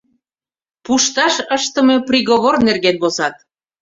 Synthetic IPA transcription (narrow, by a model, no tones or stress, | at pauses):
puʃt̪ɑʃəʃt̪ə̆meprʲiɣoβornerɣenβosɑt̪̚